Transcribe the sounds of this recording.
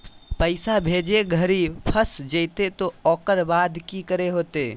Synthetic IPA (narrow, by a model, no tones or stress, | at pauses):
pəɪsabʱed͡ʒeɡʱəɾipʰəsd͡ʒəɪt̪et̪oɔːkəɾbaːd̪ʱkikəɾeɦoːt̪e